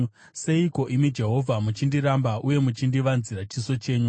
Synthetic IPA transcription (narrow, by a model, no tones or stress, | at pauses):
se̞iko̞ʔimid͡ʒe̞ɦo̞vʱamut͡ʃindiɾambaʔuje̞mut͡ʃindiʋanzirat͡ʃiso̞t͡ʃe̞ːɲu